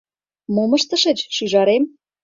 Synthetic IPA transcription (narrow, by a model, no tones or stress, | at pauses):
momə̆ʃt̪ə̆ʃet͡ɕʃyʒɑɾem